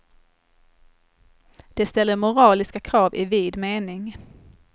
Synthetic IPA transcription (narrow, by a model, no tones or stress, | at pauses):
d̪̥ɛst̪ɛlːəɾmʊɾɑːlɪskakʰɾɑːvɪviːd̪meːnɪŋ